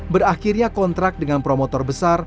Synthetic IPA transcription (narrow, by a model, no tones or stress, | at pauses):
bəraxirɲakɔnt̪ɾak̚dəŋanpɾomot̪ɔrbəsar